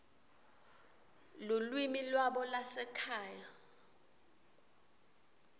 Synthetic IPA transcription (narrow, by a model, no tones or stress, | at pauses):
lulwimilwaɓɔlasɛkʰaːja